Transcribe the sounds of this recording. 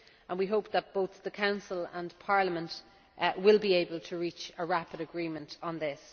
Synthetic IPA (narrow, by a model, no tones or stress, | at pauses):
ə̃nwiɦoʊp̚ðət̚b̥oʊθðəkʰãʊ̃nsələ̰̃npʰɑɹləmə̃nt | wɪlˠbieɪbəlˠtʰəɹit͡ʃəɹapɪɾəɡɹĩːmə̃ntn̩ðɪs